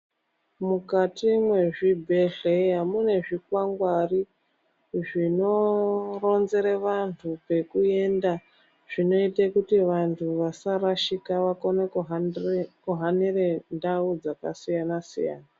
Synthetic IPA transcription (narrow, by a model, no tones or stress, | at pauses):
mukatimwe̞ʐibʱe̞ɮe̞ɦamune̞ʐik̚waŋɡwari | ʐino̞ro̞nze̞ɾeʋantʰupe̞kue̞nda | ʐ̥ino̞itekutiʋantʰuʋasaɾaʃikaʋakoneɦkuɦanire̞ndaud͡zaka̰sijanasḭja̰ːna